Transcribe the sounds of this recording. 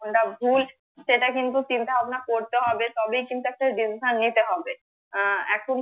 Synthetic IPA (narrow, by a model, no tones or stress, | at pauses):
onʈabʱul | ʃeʈakint̪ut͡ɕint̪aɦɔbenakoɾt̪eɦɔbet̪ɔbejkint̪uɛk̚ʈaɖisiʃanːit̪eɦɔbe | ɛkʰon